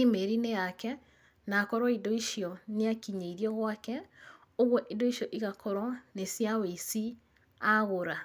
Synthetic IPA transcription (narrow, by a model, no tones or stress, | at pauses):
imeɾinejakɛ | nakɔɾwɔidoiʃijɔneakiɲeiɾiɔɣwakɛ | oɣwɔʔidoiʃɔʔiɣakʰɔɾwɔnesjaweisi | aɣoɾa